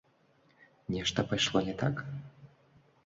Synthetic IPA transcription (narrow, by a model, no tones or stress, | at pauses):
nʲɛʂt̪ɐpajʂlˠɔnʲɛt̪ak